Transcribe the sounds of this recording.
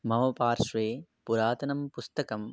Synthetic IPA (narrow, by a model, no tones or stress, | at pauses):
mɐʋɐpaːɾʂʋeːpuɾaːt̪ɐnɐmpust̪ɐkɐm